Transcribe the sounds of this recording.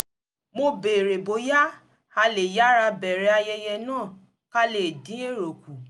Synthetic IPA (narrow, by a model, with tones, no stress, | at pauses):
mo˧be˨ɾe˨bo˨˦ja˦ | a˧le˨ja˦ɾa˧bɛ˨ɾɛ˨˦a˧jɛ˧jɛ˧nãː˦˨ | ka˦le˨dĩ˨˦e˦˨ɾo˨ku˨